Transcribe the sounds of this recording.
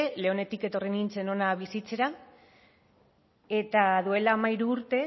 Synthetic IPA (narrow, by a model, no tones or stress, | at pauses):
ele̞o̞ne̞t̪ike̞t̪o̞renint͡se̞no̞naβ̞isit͡se̞ɾa | e̞t̪aðue̞laːmaiɾuːɾt̪e̞